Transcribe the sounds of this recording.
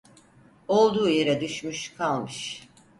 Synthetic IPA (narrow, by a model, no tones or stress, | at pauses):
o̞lˠd̪uːjeɾɛd̪yʃmyʃkʰalˠmɯʃ